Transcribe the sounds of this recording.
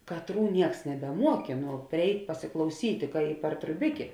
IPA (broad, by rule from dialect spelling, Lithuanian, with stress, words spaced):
kɐˈtruː ˈnʲiɛks nʲɛbʲɛˈmuɔkʲeː nʊ pʲrʲɪˈɛɪtʲ pɐsʲɪklˠɐʊˈsʲiːtʲ kɐ ɪ pɐr trʊˈbʲɪkʲeː